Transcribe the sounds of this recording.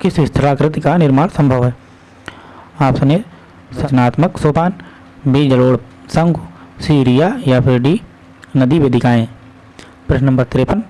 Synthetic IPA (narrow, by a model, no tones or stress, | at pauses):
kɪsɪst̪ʰəɾaːkɾɪt̪ikanɪɾmaːɽsɐ̃mbʱəʋɦɛː | aːpsɐneː | sɐt͡ʃɐnaːt̪məksoːpaːn | beːd͡ʒəloːɽ | sɐ̃ŋɡsiːɾijaːjapʰɪɾɖi | nɐd̪iʋeːd̪ɪkaːẽː | pɾɐʃnnɐmbəɾt̪ɪɾeːpən